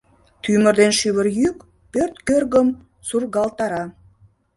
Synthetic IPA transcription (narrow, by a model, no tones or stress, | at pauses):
t̪ymərd̪enʃyβərjyk | pørt̪kørɣəm | surɣɑlt̪ɑɾɑ